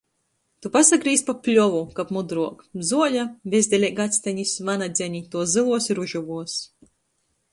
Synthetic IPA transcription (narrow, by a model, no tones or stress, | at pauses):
t̪upasaɡɾiːspaplʲɔvukapmud̪ɾuɔkzuɔlʲabʲezd̪ʲɛlʲɛɡat̪sʲt̪ʲaɲʲisvanad̪zʲɛɲʲit̪uɔszɨlˠuɔsiɾuʒuvuɔs